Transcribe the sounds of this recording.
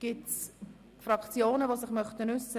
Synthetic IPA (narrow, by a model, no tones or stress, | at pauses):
ɡ̥ɪts | fɾɑkt͡sjoːnəʋosɪχmœχtənʏsə